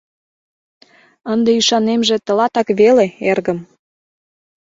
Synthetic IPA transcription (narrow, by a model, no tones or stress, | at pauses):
ənd̪eyʃɑnemʒĕt̪ə̆lɑt̪ɑkβeleerɣə̆m